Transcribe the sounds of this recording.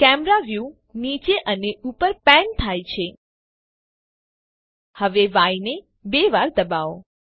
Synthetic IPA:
kɛmɾaʋju | nit͡ʃeʔəneupəɾpɛnt̪ʰajt͡ʃʰe | həʋeʋajne | beʋaɾd̪əbaʋo

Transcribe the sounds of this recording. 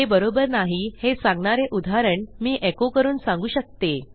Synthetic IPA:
ɦebəɾobəɾnaɦihesãŋɡɳaɾeʔud̪ʱaɾəɳmiːʔekokəɾuːnsãŋɡuːɕək̚t̪e

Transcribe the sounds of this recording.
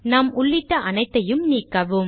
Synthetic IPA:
nɐmʊɭːɪʈːɐʔɐnɐɪt̪ːɐjɯmniːkːɐʋɯm

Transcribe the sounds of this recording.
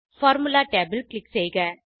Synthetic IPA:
fɔːɾmʊlaːʈeːbɪlklɪkːsɛjɡɐ

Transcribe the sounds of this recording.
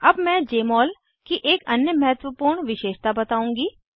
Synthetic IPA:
ɐbmɛ̃ːd͡ʒeːmɔːl | kiʔeːkɐnjəmɐɦət̪ʋəpuːɾɳʋɪʃeːʃt̪abɐt̪aːũːŋɡiː

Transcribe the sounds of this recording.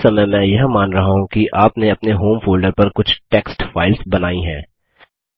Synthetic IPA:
sɐməjmɛ̃jɐɦmaːnɾɐɦaɦũkiʔaːpneɐpneɦoːmfʰoːlɖəɾpɐɾkʊt͡ʃʰʈeːksʈfaːɪlsbɐnaːiɦɛ̰̃ː

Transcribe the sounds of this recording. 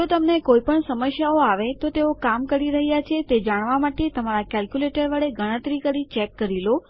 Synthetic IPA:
d͡ʒot̪əmnekoipəɳsəməʃjaoaʋet̪ot̪eokamkəɾiɾəɦjat͡ʃʰet̪ed͡ʒaɽ̃ʋamaʈet̪əmaɾakɛlkjuleʈəɾʋəɭeɡʱəɽ̃ə̃t̪ɾikəɾit͡ʃɛkːəɾilo

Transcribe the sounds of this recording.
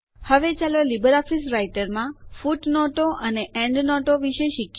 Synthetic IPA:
həʋet͡ʃalolibəɾɔfisɾajʈəɾmãfuʈnɔʈoʔəneɛ̃ɳɖnɔʈoʋiʃeʃɪk

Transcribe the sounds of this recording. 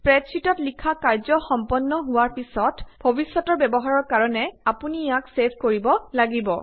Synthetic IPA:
pɹɛtsitɔtlikʰakaɹzɔxɔmpɔnːɔɦʊwaɹpisɔtbʱobisɔtɔɹbɛbɔɦaɹɔɹkaɹɔnɛapunijaksebʰʱkoɹibɔlaɡibɔ

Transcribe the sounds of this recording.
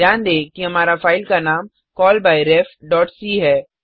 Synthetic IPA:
jaːnd̪ẽːkiɦɐmaːɾafaːɪlkanaːm | kɔːlbaːiɾɛːfɖɔːʈsiːɦɛː

